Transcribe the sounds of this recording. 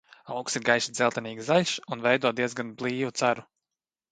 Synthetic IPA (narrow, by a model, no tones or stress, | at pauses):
awksiɾɡajsid̪zʲɛlˠt̪ɛniːɡzaʎʲsunvɛjd̪uɔd̪iɛzɡanblˠiːvut̪saɾu